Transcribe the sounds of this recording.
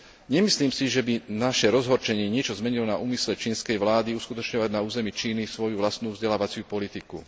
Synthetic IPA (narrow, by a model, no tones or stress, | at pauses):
ɲɛmisliːmsiʒɛbinaʃɛɾɔzɦɔɾt͡ʃɛɲɪɛɲɪɛt͡ʃɔzmɛɲilɔna̰ʔuːmislɛt͡ʃiːnskɛjʋlaːd̪iuskut̪ɔt͡ʃɲɔʋaɟnauːzɛmit͡ʃiːnisʋɔjuʋlast̪nuːvzɟɛlaːʋat͡sɪupɔlit̪ikṵ